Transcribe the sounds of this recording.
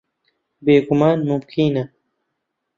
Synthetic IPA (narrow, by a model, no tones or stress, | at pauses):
beːɡumaːnmʊmkʰinɐ